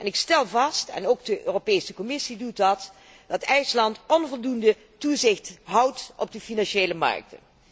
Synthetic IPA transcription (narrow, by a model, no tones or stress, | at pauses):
ʔɛnɪkstɛlˠvɑstɛ̰nowɡdəʔøːropejsəkɔmɪsidutdɑt | d̥ɑtɛjslɑntɔnvɔlˠdundə | tuzɪxtɦʌwtɔ̰b̚dəfinɑnʃejləmɑ̰ɹk̚tə̰n